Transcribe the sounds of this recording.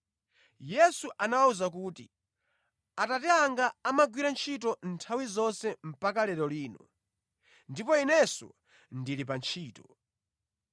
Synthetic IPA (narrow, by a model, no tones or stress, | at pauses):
jɛsuʔanawauzak̬uːti | atatɛaŋɡaːmaɡwiɾant͡ʃʰitɔntʰawizɔnsɛm̩pakalɛɾɔliːnɔ | ndipɔinɛsɔ̰ | ndilip̬ant͡ʃʰiːtɔ